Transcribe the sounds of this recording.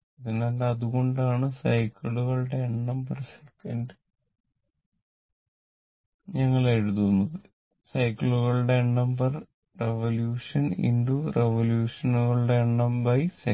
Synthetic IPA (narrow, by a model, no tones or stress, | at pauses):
iðinalːɐðuɣo̞ɳɖaːɳɨsɐjkiɭuɣɐɭuɽe̞ːɳːɐmbɐrsekːɐnɖɨ | ɲɐŋːɐɭeɻuðunːɐðɨ | sɐjkːiɭuɣɐɭuɽe̞ːɳːɐmbɐr | reʋɐljuːʂɐnḭnɖureʋɐljuːʂɐnuɣɐɭuɽe̞ːɳːɐmbɐjse